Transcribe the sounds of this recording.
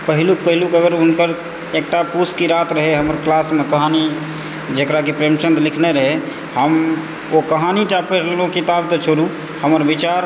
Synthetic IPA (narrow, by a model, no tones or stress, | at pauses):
pəɦiluk̚pəɦilukəɡəɾʊnkəɾ | ek̚ʈapuskiɾat̪ɾəɦeɦəməɾklasmekəɦani | d͡ʒekɾakipɾemt͡ʃənd̪lɪkʰneɾəɦe | həm | okəɦanid͡ʒapelõkit̪abt̪ɔt͡ʃʰoɾu | həməɾbit͡ʃaɾ